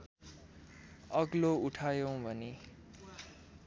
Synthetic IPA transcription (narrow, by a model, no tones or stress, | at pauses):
ʌɡlouʈʰajow̃bʱʌne